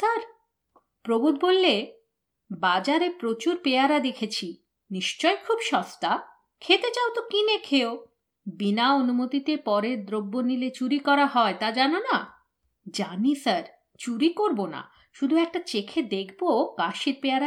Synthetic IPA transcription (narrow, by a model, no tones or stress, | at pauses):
saɾ | pɾobud̪̚bolːe | bad͡ʑaɾepɾot͡ɕuɾpeaɾad̪ekʰet͡ɕʰi | niʃt͡ɕɔekʰubʃɔst̪a | kʰet̪et͡ɕawt̪okinekʰeo | binaonumot̪it̪epɔɾeɾd̪ɾobːonilet͡ɕuɾikɔɾaɦɔet̪ad͡ʑanona | d͡ʑanisəɾ | t͡ɕuɾikoɾbona̰ | ʃud̪ʱuɛk̚ʈat͡ɕekʰed̪ekʰbokaʃiɾpeaɾa